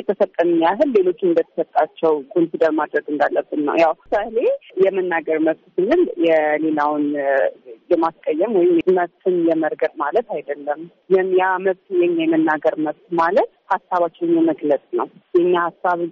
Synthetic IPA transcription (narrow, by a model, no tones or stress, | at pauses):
jɛt̪ʰəsət̪ʼːəmɨɲaɦɨlːe̞lo̞t͡ʃːɨnd̪ət̪ʰə̥sət̪ʼːat͡ʃːɛwkʼo̞nsid̪əɾmad̪ɾəɡɨnd̪alːəbːɨnːə̰wjawsalejɛmɨnːaɡəɾməβt̪sɨnɨljɛle̞lawn | jɛmaskʼəjːɛmwɔjɪmməβt̪ʰɨnjɛməɾɡəɾmalət̪ajd̪əlːəm | jɛmjaməβt̪jɛɲːajɛmɨnːaɡəɾməβt̪malət̪hasːaβat͡ʃːɪnɨɲjɛməɡləsʼnə̰wjɛɲːahasːaβ